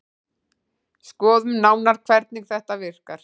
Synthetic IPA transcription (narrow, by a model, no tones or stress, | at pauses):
skɔːðʏmnaːwnaɾ̥kʰvɛɾt̪niŋkθɛht̪avɪr̥kaɾ̥